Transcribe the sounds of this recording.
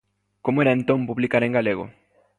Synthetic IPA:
komoeɾaẽnt̪õmpuβlikaɾẽŋɡaleɣo̰

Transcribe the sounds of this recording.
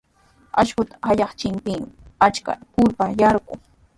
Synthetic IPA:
aʃkʊt̪ḁhajɑχt͡ʃɪmpɪmat͡ʃka̰pʊɾpajɑɾɢʊ̰

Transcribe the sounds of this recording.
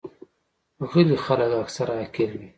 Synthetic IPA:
ɣəlixaləkaksaɾaːkilwi

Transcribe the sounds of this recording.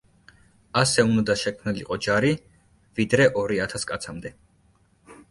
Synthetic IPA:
asɛund̪aʃɛkʰmnilḭqʼɔd͡ʒaɾi | vid̪ɾɛʔɔɾiat̪ʰaskʼat̪sʰamd̪ɛ

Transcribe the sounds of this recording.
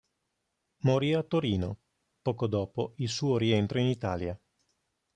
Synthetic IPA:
moɾiat̪ːoɾiːno | pɔːkod̪ɔːpoilsuːoɾient̪ɾoinit̪aːlja

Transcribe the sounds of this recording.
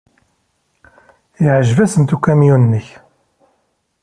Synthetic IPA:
jəʕʒvæsənt̪ukːæmjunnːəç

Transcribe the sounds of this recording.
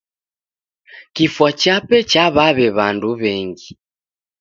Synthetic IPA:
kifwat͡ʃapɛt͡ʃaβaβɛβanduβɛŋɡi

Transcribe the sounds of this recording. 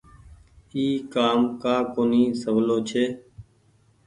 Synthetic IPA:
iːkaːmkaːkoːniːsəʋloːt͡ʃʰeː

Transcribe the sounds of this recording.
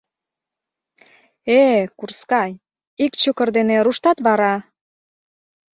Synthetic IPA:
ekurskɑj | ikt͡ɕøkə̆rd̪eneɾuʃt̪ɑt̪βɑɾɑ

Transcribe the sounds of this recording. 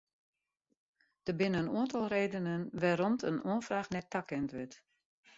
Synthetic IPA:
d̥əbɪnəənuəntɔlˠreːdənənʋaɾɔmtənʔuənfraːxnɛt̚akɛntʋɪt

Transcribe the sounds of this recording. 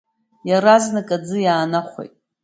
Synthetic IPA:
jaɾaznɨkʼad͡zɨjaːnaχʷḛjtʼ

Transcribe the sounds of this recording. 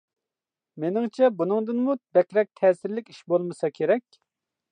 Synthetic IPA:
menɪŋt͡ʃʰɛbunɨŋd̪ɨnmubɛkʲɾɛk̚ʲt̪ʰɛːsɪɾlɪkʲi̥ʃbolˠmɨsɑkʲʰeɾɛkʲ

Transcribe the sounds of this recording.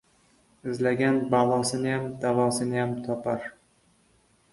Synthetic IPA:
ɪzlaɡʲanbalˠɒsɪnɪjamd̪avɒsɪnɪjamt̪ʰɒpʰaɾ

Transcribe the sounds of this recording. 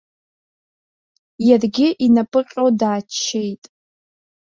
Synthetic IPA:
jarɡʲɪʔinapʼɨqʲʼowdaːt͡ʃʰːe̞jtʼ

